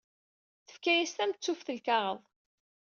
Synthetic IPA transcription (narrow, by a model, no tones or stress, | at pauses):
θə̥fkæjæst̪æmt͡sːufθəlkɑʁəðˤ